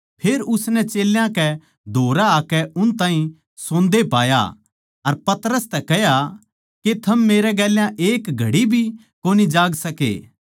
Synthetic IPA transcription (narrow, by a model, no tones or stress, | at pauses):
pʰeːɾʊsnɛt͡ʃeːljãkɛ | d̪ʱoːɾaːkɛʊnt̪ãːɦĩ | sõːnd̪epaːja̰ | ɐɾpɐt̪ɾəst̪ɛkɛɦja | ket̪ʰɐmːeːɾɛɡɛːljãʔeːkɡʱɐɽibʱi | koːnid͡ʒaːɡsɐkḛː